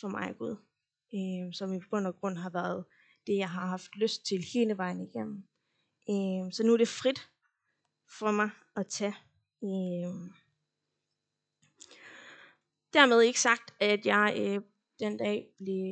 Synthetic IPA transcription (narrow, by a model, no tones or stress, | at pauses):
fɒ̽mɑ̈ɪɡ̥uðˠ | øsɒ̽mipʰɡ̥ɔ̽n̰ɐɡ̥ʁɔ̽n̰ɦɑ̈ʋæɐð̞ˠ | d̥e̝jɑ̈ɪɦɑ̈ɦɑ̈fd̥løsd̥̚t͡sʰe̝lheːnəʋɑ̈ɪ̰nəiɡ̥em̰n̩ | øsɒ̽nuɐd̥e̝fʁid̥ | fɒ̽mɑ̈ɪ | ɒ̽t͡sʰæ | ø | d̥æɐmeð̞ˠe̝ɡ̥ə̥sɑ̈ɡ̥̚d̥æd̥jɑ̈ɪø | d̥end̥ɛ̰ːb̥le̝